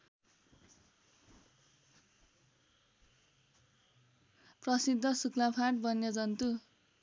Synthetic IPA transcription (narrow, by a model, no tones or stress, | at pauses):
prʌsid̪ʱːʌsuklapʰaʈbʱʌnjʌd͡zʌnt̪u